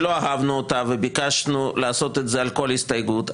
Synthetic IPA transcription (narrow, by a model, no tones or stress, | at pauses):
lo̞aɦavnuot̪avebikaʃnuleaso̞t̪etzealko̞lhist̪ajɡut̪